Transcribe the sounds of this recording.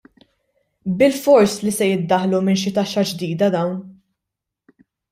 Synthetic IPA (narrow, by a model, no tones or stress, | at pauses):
bɪlfɔɾslisɛjɪd̪ːɐħlumɪnʃɪt̪ɐʃːɐd͡ʒd̪iːd̪ɐd̪ɐwn